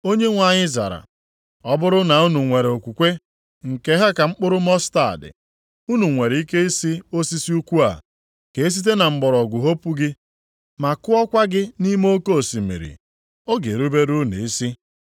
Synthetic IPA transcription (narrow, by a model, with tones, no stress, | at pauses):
o˦ɲe˦ŋʷa˨ɲɪ˦za̰˨ɾa̰˨ | ɔ˦bʊ˦ɾʊ˦na˨u˦nu˨ŋʷe˨ɾe˨o˨kʷu˨kʷe˦ | ŋ̩˨ke˦ɦe˦ka˨ŋ͡m̩˦k͡pʊ˦ɾʊ˦mɔ˦sta̰˦˨dɪ̰˨ | u˦nu˨ŋʷe˨ɾi˦ke˦i˦si˦o˦si˦si˦u˦kʷu˦a̰˨ | ke˨e˦s̬i˦t̬e˦na˨ŋ͡m̩˨ɡ͡bɔ˨ɾɔ˨ɡʷʊ˨ɦo˦pu˦ɡɪ˦ | ma˨kʊ˦ɔ˦kʷa˦ɡɪ˦ni˦m˦o˦ko˦˨si˨mḛ˨ɾḭ˨ | ɔ˦ɡe˨ɾu˦be˦ɾu˦nḛ˨i˦si˦